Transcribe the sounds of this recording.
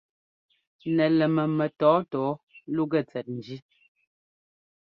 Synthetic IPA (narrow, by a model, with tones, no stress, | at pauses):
nɛ˨lɛ˨mɛ˨mɛ˨tɔː˨˦tɔː˨˦lu˦ɡɛ˦˨t͡sɛ˨t̚n̩˨d͡ʒi˦